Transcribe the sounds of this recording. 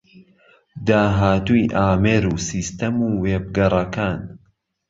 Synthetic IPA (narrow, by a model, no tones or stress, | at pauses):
d̪aːɦaːt̪ujʔaːmeɾuːsiːst̪ɐmuːweːb̚ɡɐrˤɐkaːn